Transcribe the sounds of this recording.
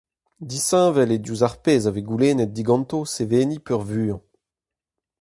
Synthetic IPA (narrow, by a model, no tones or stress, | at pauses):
d̪isɛ̃ːvɛled̪juzaʁpeːzaveɡuleːnɛt̪̚d̪iɡɑ̃nt̪oseveːnipœʁvyːɑ̃